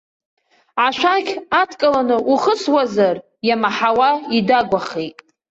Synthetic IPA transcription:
ʕaʃʷᶣaɡʲatʰkʼalanɨʔuχəswazar | jamaħawaidaɡʷaχejtʼ

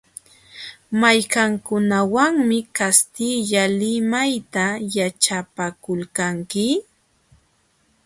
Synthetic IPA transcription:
majkaŋkʊnawaŋmɪkast̪ɪʎalɪmajt̪ajat͡ʃapakʊlkaŋkɪ

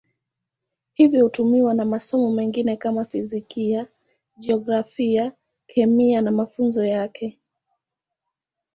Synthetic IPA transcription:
hivjɔhutumiwanamasɔmɔmɛŋɡinɛkamafizikia | ʄɛɔɡɾafia | kʰɛmianamafunzɔjakʰɛ

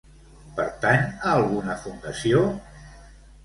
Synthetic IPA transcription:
pəɾt̪anaːlˠɣunəfund̪əsio

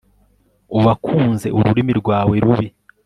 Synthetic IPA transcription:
uβakʰuːnze̞ʔuɾuɾimiɾɡwaːwe̞ɾuβi

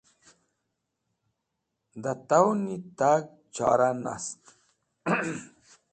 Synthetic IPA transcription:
d̪at̪awnit̪aɡ̚ | t͡ɕa̰ːɾana̰st̪

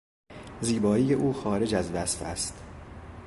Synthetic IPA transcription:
ziːbɒːiːje̞ʔuːxɒːɾe̞d͡ʒæzvæsfæ̰st̪

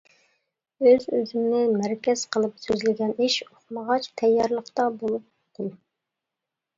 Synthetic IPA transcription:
øzøzɪmnɪmæɾkʲɛz̥qʰəlˠɨpsøzlɪɡʲɛniʃoχməʁɑt͡ʃt̪ʰɛjːɑɾlˠəqt̪ɑbolˠup̚oqʰʊn

